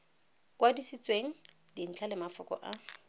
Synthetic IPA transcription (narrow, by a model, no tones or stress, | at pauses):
kwadisit͡sʼweŋ̩din̩t͡ɬʰalɪmafɔkʼɔ̰ʔa